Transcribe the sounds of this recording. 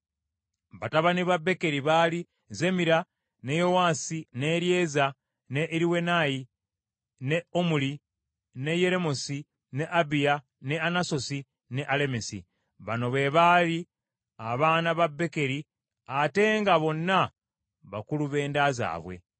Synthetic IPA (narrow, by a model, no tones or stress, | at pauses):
βataβaniβabːe̞ke̞ɾiβali | ze̞miɾa | nejo̞waːsine̞ɾje̞ːza | ne̞ʔɾiwe̞naji | ne̞omuli | ne̞je̞ɾe̞mosi | ne̞ʔabija | ne̞anaso̞si | ne̞ʔale̞mesḭ | βano̞βe̞βali | aβaːnaβabːe̞ke̞ɾi | ate̞ŋɡaβo̞nːa | βa̰kuluβe̞ːndaza̰ːβwe̞̰